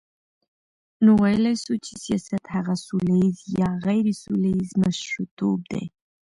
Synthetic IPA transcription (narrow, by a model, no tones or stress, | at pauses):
nuwajəlajsut͡ʃe̥sijɑsat̪haɣasulajizjɑɣajɾesulaizmaʃɾut̪ʰːob̚d̪ḛ